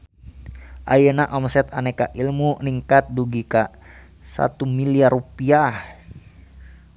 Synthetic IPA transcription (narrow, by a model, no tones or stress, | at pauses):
ʔajənaʔɔmsɛt̪anɛkaʔilmuniŋkat̪̚duɡika | sa̰t̪umiliarupiah